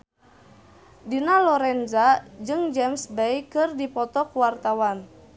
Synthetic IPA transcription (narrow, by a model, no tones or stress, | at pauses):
dinalɔɾɛnzad͡ʒɨŋd͡ʒɛmsbɛjkɨrdipɔt̪ɔkuwart̪awan